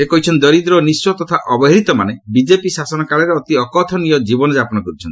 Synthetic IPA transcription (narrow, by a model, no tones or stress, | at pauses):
ekɔɦit͡ʃʰɔnt̪̚d̪ɔɾid̪ɾɔniswɔt̪ɔt̪ʰaʔɔbɔɦɾit̪ɔmanebid͡ʒepisasɔnɔkaɭɔɾeɔt̪iɔkɔt̪ʰɔniɔd͡ʒibɔnɔd͡ʒapɔnɔkɔɾut͡ʃʰɔnt̪i